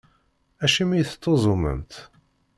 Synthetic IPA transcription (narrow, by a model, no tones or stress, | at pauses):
æʃimijθt̪ːozˤomə̰nt̪